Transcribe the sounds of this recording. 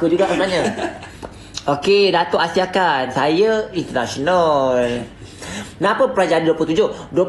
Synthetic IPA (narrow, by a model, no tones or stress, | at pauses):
kud͡ʒuɡaʔakaɲə̃ | okedat̪oʔasiakansajəint̪ənasonal | nãpəpɾad͡ʒadiduəplut̪ud͡ʒoduə